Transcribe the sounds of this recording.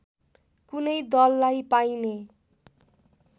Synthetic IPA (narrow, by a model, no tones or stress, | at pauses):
kunʌjd̪ʌlːajpajne